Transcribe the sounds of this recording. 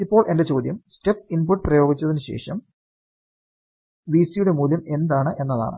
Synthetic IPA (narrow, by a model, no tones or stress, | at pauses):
ipːo̞ːɭʔe̞ndet͡ɕo̞ːd̪jɐmsʈe̞p̚ːinpuʈːprɐjo̞ːɡit͡ɕːɐðinɨɕe̞̰ːʂɐm | ʋiːsijuɽe̞muːlɐme̞nd̪aːɳɨʔe̞nːɐða̰ːɳɨ̰